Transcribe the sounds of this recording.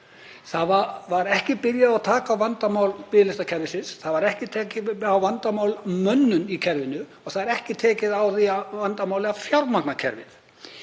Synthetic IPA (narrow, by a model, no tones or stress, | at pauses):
θaðvavaɾɛhcɪpɪɾjaðawt̪ʰaːkavant̪amawlpɪːðlɪst̪acʰɛɾvɪsɪnsθaðvaɾɛhcɪt̪ʰɛːcɪawvant̪amaːwlmœnːʏnicʰɛɾvɪnʏɔθaðɛɾɛhcɪt̪ʰɛːcɪðawθiavant̪amaːwlɛafjawɾmaknacʰɛ̰ɾvɪ̰θ